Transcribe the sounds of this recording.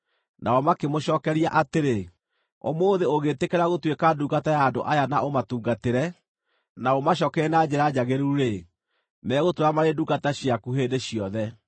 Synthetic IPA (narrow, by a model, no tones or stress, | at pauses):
nʔaɔmakemoɕɔːkɛɾiaʔateɾe | ɔ̰moːðeoɣetekɛɾaɣotwekaduɡatajaːndo̰ʔajanaʔomatuːɡateɾɛ | naomaɕ̬ɔːkɛnad͡ʑeɾad͡ʑaɣeɾuɾe | mɛːɣotoɾamaɾeduɡataɕjakuɦeːdeɕiɔðɛ